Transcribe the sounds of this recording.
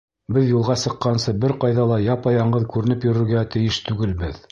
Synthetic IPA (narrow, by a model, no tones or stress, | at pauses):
bɘðjulˠʁɑsɤ̆qːɑnsɤbɘɾqɑjðɑlˠɑjɑpɑjɑɴɢɤðkʉɾɘ̆nɘpjɵ̆ɾɘ̆ɾɡæt̪ɘ̆jɘʃt̪ʉɡɘlbɘð